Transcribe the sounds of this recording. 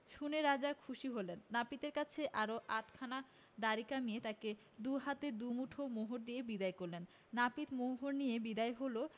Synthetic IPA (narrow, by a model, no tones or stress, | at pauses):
ʃuneɾad͡ʑakʰuʃiɦolenːapit̪eɾkat͡ɕʰeʔaɾoʔat̪kʰana | d̪aɾikamijet̪ake | d̪uɦat̪ed̪umuʈʰomoɦoɾd̪iebid̪aekoɾlenː | apit̪moɦoɾnijebid̪aeɦolo